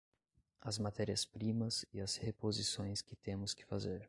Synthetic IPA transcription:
ɐzmat̪ɛɾiɐspɾĩmɐsɪɐzhepozisõj̃skɪt̪ẽmʊskɪ̥fazeɾ

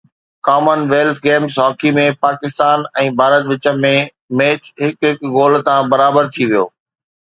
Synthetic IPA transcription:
kaːmənʋeːlt̪ʰɡeːmsɔːkʰimẽpaːkɪst̪aːnɛ̃ːbʱaːɾət̪ʋɪt͡ɕə̆mẽ | meːt͡ɕɦɪkɦɪkɡoːlt̪ãbɐɾaːbəɾt̪ʰiʋijo̰ː

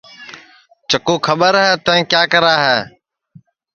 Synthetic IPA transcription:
t͡ʃəkuːkʰəɓəɾɦɛːt̪ɛ̃ɛ̃ːkjaːkəɾaːɦɛː

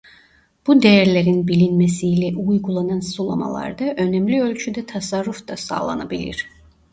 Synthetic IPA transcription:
b̥ud̪ejæɾlʲeɾinbilʲinmɛsiːlʲɛʔujɡulˠanɑnsulˠoma̰lˠɑ̰ɾd̪ɑʔønæmlʲiø̞lʲt͡ʃʰyd̪ɛt̪ʰasaɾːufd̪asa̰ːlˠa̰nabilʲḭɾ̥

